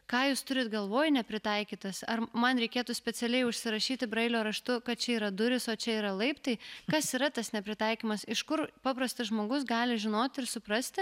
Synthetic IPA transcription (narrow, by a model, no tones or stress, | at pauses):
kɑːjuːst̪ʊɾʲɪt̪ɡɐlˠʋoːjnʲɛpʲɾʲɪt̪ɐɪkʲiːt̪ɐsɐrmɐnɾʲɛɪkʲeːt̪usʲpʲɛt͡s̪ʲɛlʲɛɪʊʃʲsʲɪɾɐʃʲiːt̪ʲɪbɾɐɪlʲoːɾɐʃt̪ʊkɐt̪̚t͡ʃʲɛiːɾɐd̪ʊɾʲɪsoːt͡ʃʲɛiːɾɐlˠɐɪpt̪ɐɪkɐsiːɾɐt̪ɐsnʲɛpʲɾʲɪt̪ɐɪkʲiːmɐsɪʃkʊɾpɑːpɾɐst̪ɐʒmoːɡʊs̬ɡɑːlʲɪʒʲɪnoːt̪ʲɪɾsʊpɾɐsʲt̪ʲɪ